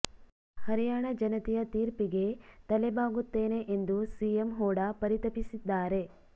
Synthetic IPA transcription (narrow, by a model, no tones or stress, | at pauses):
hɐɾijaːɳɐd͡ʒɐnɐt̪ijɐt̪iːɾpiɡe̞t̪ɐlebaːɡut̪ːeːne̞ʔend̪usiemɦɔːɽɐpɐɾit̪ɐpisid̪ːaːɾe̞